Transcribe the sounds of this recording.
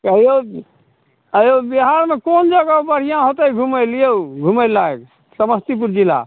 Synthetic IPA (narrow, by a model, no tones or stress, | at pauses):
əjo | əjobiɦaɾmekond͡ʒəɡaubəɾ̤ijãɦot̪əiɡʱumelijeuɡʱumelːaek | səməst̪ipuɾd͡ʒila̰